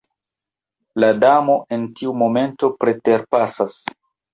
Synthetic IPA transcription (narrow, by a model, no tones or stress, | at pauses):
ladamo̞ʔe̞ntiumo̞me̞nto̞pɾe̞te̞ɾpasas